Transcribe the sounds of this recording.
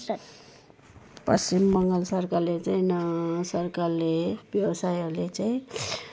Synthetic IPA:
pʌst͡simːʌŋɡʌlsʌrkarlet͡saĩnsʌrkarlebjʌwʌsajʌɾulet͡saĩ

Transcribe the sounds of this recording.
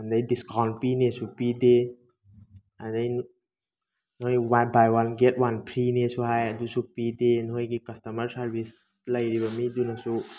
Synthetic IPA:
ɐndɐjdiskawnt̚pinesupide | andajn | nɦojwabajwanɡet̚wanpʰɾinesuɦajɐdusupidenɦojɡikɐstɐmɐɾsaɾbʱis | lɐjɾiβamidunasu

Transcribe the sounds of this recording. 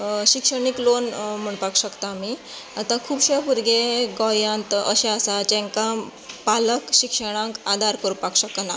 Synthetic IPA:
ɕikʂəɳiklonm̤əɳpakɕəkt̪aːmi | at̪ãkʰuːbɕepuɾɡeɡɔjãnt̪əɕeasat͡ɕẽŋkã | paləkɕikʂəɽ̃ãŋkad̪ʱaɾkəɾupakɕəkna

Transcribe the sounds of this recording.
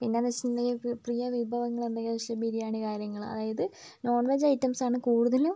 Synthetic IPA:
pinːenɐt͡ɕːinneŋɡiprijɐʋibʱɐʋɐŋːɐɭend̪ɐŋɡilɕɐbʱiɾijaːɳikaːɾjɐŋːɐɭɨmɐ̰ðaːjɐðɨ | no̞ːɳʋɐd͡ʑɐjtːɐmsaːɳɨkuːɽuðɐlum

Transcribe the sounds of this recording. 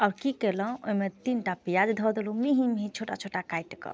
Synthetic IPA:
aʊɾkikelə̃o̰imet̪inʈapijad͡ʒd̪ʱɔd̪elumiɦimɦĩt͡ʃʰoʈat͡ʃʰoʈakajʈkə̰

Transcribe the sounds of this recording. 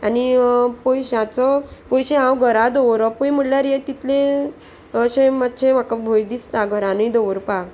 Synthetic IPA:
anipɔjɕãt͡sɔpɔjɕeɦãwɡʱəɾad̪ɔʋɾɔpujmuɽljaɾjet̪it̪lẽ | ɕemat̪ːɕʰẽmakabʱojd̪ist̪aɡʱəɾãnujd̪ɔʋəɾpaɡ

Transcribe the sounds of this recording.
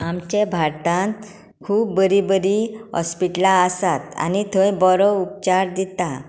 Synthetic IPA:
amt͡ɕẽbʱaɾt̪ãnt̪ | kʰuːpbəɾibəɾiɦɔ̰spiʈlaəsat̪a̰nit̪ʰəjbɔɾɔup̚t͡ɕaɾd̪it̪a

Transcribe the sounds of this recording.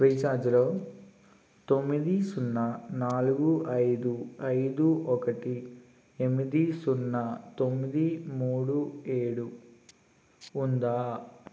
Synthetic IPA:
ɐjt͡ʃaːd͡ʒulo̞ː | t̪o̞mːid̪isunːɐnaːluɡuʔɐjd̪uɐjd̪uɔkɐʈi | emːid̪isunːɐt̪o̞mːid̪imuːɽueːɽu | nd̪aː

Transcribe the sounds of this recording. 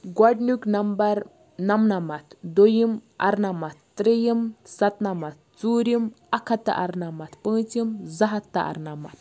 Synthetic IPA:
ɡwaɖnuknɐmbɐɾ | nɐmnɐmat̪d̪ojima̰ɾnamat̪ːɾijimsɐt̪nɐmat̪̚t͡suːɾim | akʰat̪ːa̰ʔaɾnamat̪pɨ̃ːt͡simzɐɦat̪ːa̰ʔa̰ɾnama̰t̪̚

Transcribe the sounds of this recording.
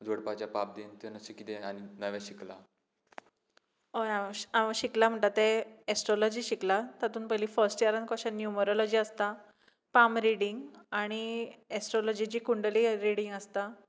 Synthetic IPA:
d͡zoɽpat͡ɕapap̚d̪ent̪anəsekit̪eañinəʋɛɕikla̰ | oaaʋəɕiklam̤əɳʈ̪at̪eesʈɾolɔd͡ʑiːɕiklat̪at̪uːnpəɦiliːfəɾsʈjaɾənkɔɕənjuməɾolɔd͡ʑiːəst̪a | pamɾiɽiŋɡaɽ̃iesʈɾɔlod͡ʑid͡ʑiːkuɳɖliɾiɽiŋɡəst̪a

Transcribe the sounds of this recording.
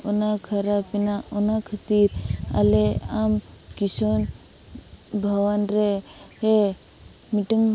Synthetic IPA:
onakʰɐɾapinaɔnakʰət̪iɾa̰leam | kison | bʱɐʋanɾe | ɦe | miʈiŋ

